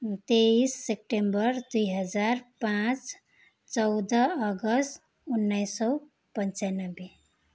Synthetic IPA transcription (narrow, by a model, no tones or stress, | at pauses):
t̪eisːep̚ʈembəɾd̪uiɦəd͡ʒaɾpãt͡ʃ | t͡ʃɔʊd̪əːɡəsʈ | unːajsɔ | pənt͡ʃanəbe